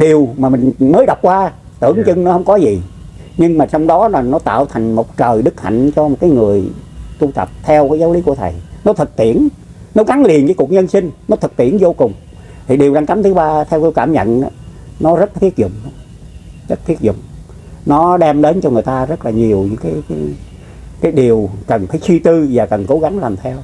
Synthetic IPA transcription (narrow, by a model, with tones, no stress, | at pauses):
ɗi˨˩əwmaː˨˩mï˨˩ŋ̟məː˨˦jɗa˨˩wk͡p̚kwaː˧ | t̪ɨ˧˩əŋt͡ɕɨ˧ŋnɔ˨˦hə˧wŋ͡mkɔ˨˦zi˨˩ | ɲɨ˧ŋmaː˨˩t͡ɕɔ˧wŋ͡mɗɔ˨˦laː˨˩nɔ˨˦t̪a̰ː˧˨wt̪ʰa˨˩jŋ̟mo˨˩k͡p̚t͡ɕəː˨˩jɗɨ˦˥k̚ha̰˧˨jŋ̟t͡ɕɔ˧m˨˩t̚kaː˨˦jŋɨ˨˩əjt̪u˧t̪ə̰˨˩p̚t̪ʰɛ˧wkaː˨˦jzaː˨˦wli˨˦ku˧˩ət̪ʰə̰˨˩jnɔ˨˦t̪ʰɨ˨˩k̚t̪ḭ˧˨ən | nɔ˨˦ɣa˨˦ŋli˨˩ənkaː˨˦ku˨˩ək̚ɲə˧nsï˧ŋ̟nɔ˨˦t̪ʰɨ˨˩k̚t̪ḭ˧˩ənzo˧kʊ˨˩ŋ͡m | t̪ʰi˨˩ɗi˨˩əwɗaː˧ŋka˨˦mt̪ʰɨ˨˦ɓaː˧t̪ʰɛ˧wki˧wkaː˧˩mɲə̰˧˨na˨˦nɔ˨˦zə˦˥t̚t̪ʰi˦˥ək̚zʊ̰˧˨ŋ͡m | zə˦˥t̚t̪ʰi˦˥ək̚zʊ̰˧˨ŋ͡m | nɔ˨˦ɗɛ˧mɗe˨˦nt͡ɕɔ˧ŋɨ˨˩əjt̪aː˧zə˦˥t̚laː˨˩ɲi˨˩əwɲɨ̰˧˥ŋkaː˨˦jkaː˨˦j | kaː˨˦jɗi˨˩əwkə˨˩nfaː˧˦jt͡ɕwi˧t̪ɨ˧vaː˨˩kə˨˩nko˨˦ɣa˨˦ŋlaː˨˩mt̪ʰɛ˧w